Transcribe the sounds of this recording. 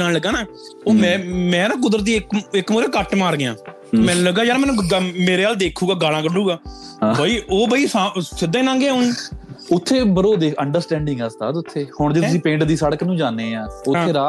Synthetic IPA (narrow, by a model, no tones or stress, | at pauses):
naːlləɡːãːnaː | oːmɛ̃ːmɛ̃ːɾãːk̬ʊd̪əɾt̪̬iːɪkɪkmuːɾẽːkəʈmaːɾɡɪjãː | t̪ːmɛ̃ːnũləɡːaːd͡ʒaːɾmɛ̃ːnũːmeːɾeːaːld̪eːkʰuːɡaːɡaːlãːkəɖuːɡaː | baiːoːbaːiːsãsɪd̪ãːnãːŋɡeɦʊnĩːʊt̪ʰːeːbəɾoːd̪eːəɳɖəɾsʈɛ̃ːɳɖɪ̃ŋɡəst̪a̰ːd̪ʊt̪ʰːeːhʊɳd͡ʒeːtʊsĩːpẽːɳʈd̪iːsəɽəknũːd͡ʒaːneːãːʊeːɾaː